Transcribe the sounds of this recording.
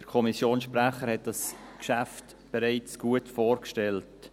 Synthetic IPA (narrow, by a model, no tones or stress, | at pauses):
d̥əɾkʰɔmisjoːnsʃprɛχəɾhɛt̚d̥ɑs | kʃæft | b̥eɾaɪt͡sɡ̥uətfoːɾkʃtɛlt